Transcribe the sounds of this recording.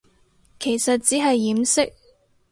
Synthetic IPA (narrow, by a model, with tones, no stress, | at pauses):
kʰe˨˩jsɐ˨t̚t͡siː˨˥ɦɐ˨jːiː˨˥msɪ˥k̚